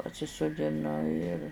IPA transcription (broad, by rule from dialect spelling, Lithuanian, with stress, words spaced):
pɐsʲɪsʊdʲɪˈnʊ ɪr